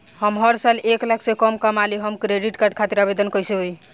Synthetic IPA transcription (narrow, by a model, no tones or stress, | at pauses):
həmɦəɾsaleklaksẽkɔmkəmaliɦəmkɾeɖiʈkaɾɖ̚kʰat̪iɾabed̪ənkəjseɦoj